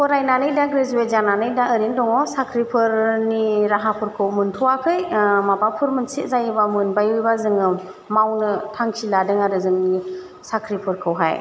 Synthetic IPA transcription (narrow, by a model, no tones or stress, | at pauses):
kʰɔɾajnanɯjdaɡɾezuet̚zananɯjdaɯɾindɔŋɔsakʰɾipʰɯɾniɾaɦapʰɯɾkʰɯwmɯntʰuwakʰɯjmabapʰuɾmɯnsitzajibamɯnbajuibazɯŋɯ | mawnɯtʰaŋkʰiladɯŋaɾɯzɯŋni | sakʰɾipʰɯɾkʰɯwɦaj